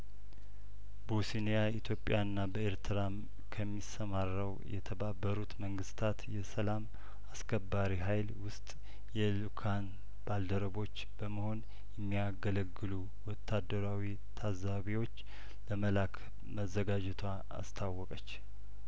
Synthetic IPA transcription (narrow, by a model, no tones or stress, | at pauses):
bosinejait̪ʰjo̞pʼːjanːabəeɾt̪ʰɨɾam | kʰəmːisːəmarːəwjɛ̰t̪ʰəbabːəɾut̪məŋɡɨst̪ʰat̪jɛsəlam | askʰəbːaɾiɦajlwʊst̪ʼ | jɛlukʰan | b̥ald̪əɾəβo̞t͡ʃːb̥əməho̞n | jɛmːijaɡələɡːɨlu | wɔt̪ʰːad̪ːəɾawi | t̪ʰazaβiwo̞t͡ʃː | ləməlakʰ | məzːəɡad͡ʒɛt̪ʰwa | a̰st̪ʰawːɔkʼət͡ʃː